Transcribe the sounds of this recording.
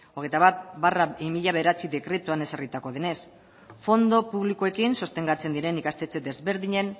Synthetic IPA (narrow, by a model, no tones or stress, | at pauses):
o̞ɣ̞ejt̪aβat̪̚baraimiʎaβe̞ð̞eɾat͡siðe̞kɾe̞t̪uane̞sarit̪ako̞ðe̞ne̞s | fo̞nd̪o̞puβlikoe̞kinso̞st̪e̞ŋɡat͡se̞nd̪iɾe̞nikast̪e̞t͡se̞d̪e̞zβe̞ɾðiɲe̞n